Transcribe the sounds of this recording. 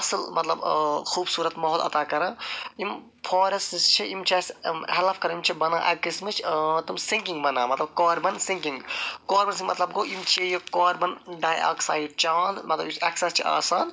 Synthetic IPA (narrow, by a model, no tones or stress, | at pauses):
ɐsɨlmɐt̪lɐbxuːbsuːɾɐt̪mɐɦoːlɐ̰t̪aːkɐɾɐ̃im | pʰoːɾɐsist͡ʃʰiʔimt͡ʃʰashɐlafkɐɾɐ̃imt͡ʃʰibɐnaːʔɐ̰kismɨt͡ʃʰt̪umsiŋkiŋɡbɐnaːmɐt̪lɐbkoːɾbɐnsĩŋkĩŋɡkoːɾbɐns̬ĩŋmɐt̪lɐb̚ɡoːimt͡ʃʰiejokoːɾbɐnɖaːja̰ːksaːjɖ̚t͡ʃaːnmɐt̪lɐ̰biɐksɐst͡ʃʰia̰ːsaːn